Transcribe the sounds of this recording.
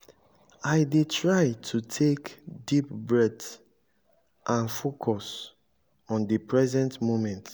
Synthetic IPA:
aɪdetɹaɪtʰutʰekdipbɹɛd | ʔãnfokʰɔs | ɔ̃ndipʰɹɛzɛ̃ntmomɛ̃nt

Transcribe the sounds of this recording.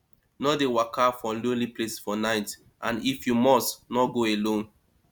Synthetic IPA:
nɔdewakʰafɔ̃loliplesfɔnaɪt | ʔãnifjumɔstnɔɡoelõn

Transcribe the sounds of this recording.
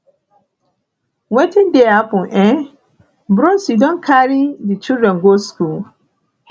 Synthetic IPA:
wetʰɪ̃ndeapʊ̃ʔɛ̃ | bɾɔ̃sidɔ̃nkʰaɾidit͡ʃuɾɛ̃ŋ̩ɡoskul

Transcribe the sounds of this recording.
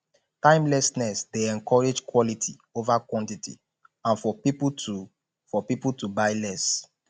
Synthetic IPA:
tãɪ̃mlɛsnɛsdeɛ̃nkɔɹed͡ʒkwɔlitʰḭ | ovakwɔ̃ntitʰḭ | ãnfɔpiptu | fɔpiputubaɪlɛs

